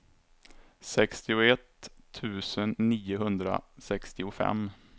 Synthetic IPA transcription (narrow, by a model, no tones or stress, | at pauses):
sɛkst̪ɪʊɛt̪ʰːʉ̟ːsənːiːʊɦɵnd̪ɾa̰sɛkst̪ɪʊfɛ̰mː